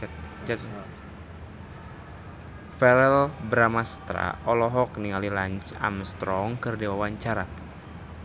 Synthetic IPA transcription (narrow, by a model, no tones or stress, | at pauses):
fɛɾɛlbɾamast̪ɾa̰ʔɔlɔɦɔk̚niŋalilaɲt͡ʃa̰mst̪ɾɔŋkɨrdiwawaɲt͡ʃaɾa